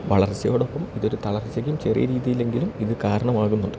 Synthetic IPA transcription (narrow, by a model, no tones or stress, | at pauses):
ʋɐɭɐrt͡ɕːɐjo̞ːɽopːɐmiðo̞ɾut̪ɐɭɐrt͡ɕːɐkʲːjumt͡ɕe̞rḭjɐɾiːðijile̞ŋɡilumiðɨkaːɾɐɳɐmaːɣunːuɳɖɨ